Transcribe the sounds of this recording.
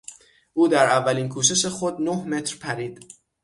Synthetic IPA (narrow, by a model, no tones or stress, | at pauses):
ʔuːd̪æɾævːæliːnkʰuːʃ̬e̞ʃe̞xo̞d̪nohme̞t̪ʰɾpʰæɾiːd̪̥